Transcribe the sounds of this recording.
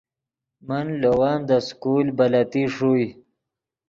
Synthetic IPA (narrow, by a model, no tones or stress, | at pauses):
manlowɑːnd̪əskulbalat̪iʂuj